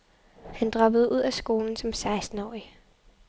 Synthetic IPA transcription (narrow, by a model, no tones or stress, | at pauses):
hænd̥ʁɑ̈b̥əð̞̩ˠʔuð̞̰ˠæsɡ̥o̝ːln̩sɒ̽msɑ̈ɪsd̥n̩ɒ̰ːi